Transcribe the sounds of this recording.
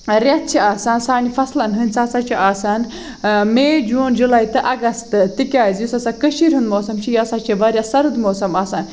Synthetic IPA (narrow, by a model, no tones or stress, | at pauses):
ɾʲɐt̪̚t͡ʃʰiaːsaːnsaːnifɐslɐnɦɨnʲt͡saːsat͡ʃʰiʔaːsaːn | meːd͡ʒuːnd͡ʒulaːjt̪ɨʔɐɡɐst̪ɨt̪ikʲaːzjusɐsaːkəʃiɾʲɦund̪moːsɐmt͡ʃʰijaːsaːt͡ʃʰiʋɐɾjasɐɾɨd̪moːsɐmaːsaːn